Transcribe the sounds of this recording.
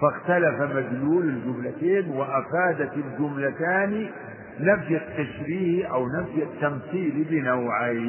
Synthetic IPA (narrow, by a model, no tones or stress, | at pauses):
faxt̪alafamad͡ʒ̪luːlɪld͡ʒʊmlat̪eːnwɪʔafaːd̪at̪ɪld͡ʒʊmlat̪aːni | nafjat̪ːaʃɾiːhʔawnafjat̪ːamθiːlbɪnawʕa